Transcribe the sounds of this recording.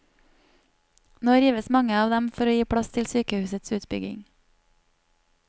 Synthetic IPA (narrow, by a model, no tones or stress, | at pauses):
noːɾjiːʋəsmɑŋəɑːʋd̪ɛmfɔɾoːjiːpʰɽɑst̪ʰɪlsyːkəhʉːsət̪sʉːt̪bʏɡɪ̰ŋ